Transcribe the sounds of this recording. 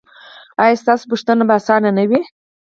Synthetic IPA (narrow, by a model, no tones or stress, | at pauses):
ɑjɑst̪ɑsopuʂt̪anabaːsɑnanawi